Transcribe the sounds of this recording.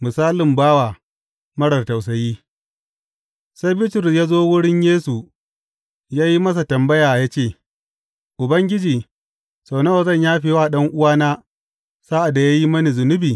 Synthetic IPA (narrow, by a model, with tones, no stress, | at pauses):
mʊ˨saː˦lɪ˨mbaː˦waː˨ | mɐ˦ɽɐ˨rta˨wsɐ˨jiː˦ | sa˦jbɪ˦tɪ˨rjaː˦zoː˦wʊ˦ɽɪ˦ɲjeː˦su˨ | jaː˦ji˦mɐ˦sa˨tɐ˨mbɐ˦jaː˨jaː˦t͡ʃeː˦˨ | ʔʊ˨bɐ˦ŋɡʲɪ˦d͡ʒiː˨ | sa˨wnɐ˦o˨zɐ˦˨ɲjaː˦ɸeː˨waː˦˨ɗɐ˦ŋʔʊ˦waː˦naː˦ | sa˦ʔa˨da˨ja˦ji˦mɐ˦ni˨zʊ˨nʊ˦biː˨